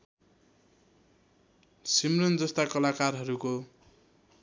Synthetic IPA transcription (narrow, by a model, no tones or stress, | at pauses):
simrʌnd͡zʌst̪akʌlakarɦʌɾuko